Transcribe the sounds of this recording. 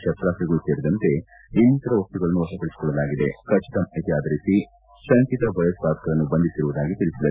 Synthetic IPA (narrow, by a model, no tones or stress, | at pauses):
ʃɐt̪ɾaːsɾɐɡɐɭuseːɾid̪ɐnt̪e̞ | int̪ɐɾɐʋɐst̪uɡɐɭɐnːuʋɐsɐp̪ɐɭiskɔɭːɐlaːɡid̪ekɐt͡ʃit̪ɐmɐt̪ijaːd̪ɐɾisi | sɐŋkit̪ɐbɐjɐsbaːd̪ɐ̥kɐɾɐnːubɐnd̪isiɾuʋud̪aːɡit̪iɭisilɐ